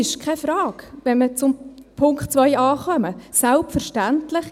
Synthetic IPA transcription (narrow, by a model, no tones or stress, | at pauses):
ɪʃkχɛfɾɑːkʋɛnmət͡sʊmpʰʊŋktt͡sʋœjɑːχœməsælpfəɾʃtæntlɪχ